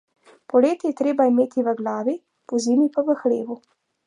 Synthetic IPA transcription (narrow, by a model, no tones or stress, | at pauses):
pɔleːt̪ijɛt̪ɾeːbaimeːt̪iʋəɡlaːʋi | pɔziːmipaʋəxlḛːʋu